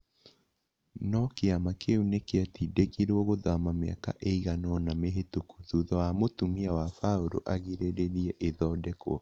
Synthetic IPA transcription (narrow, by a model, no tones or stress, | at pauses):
nɔkeamakeunekeatidekiɾooɣoðamamea̰ka̰ʔeiɣanɔnameɦetukuðuðɔamotumiawafaoɾo̰ʔaɣiɾeɾeɾiɛʔeðɔdɛko̰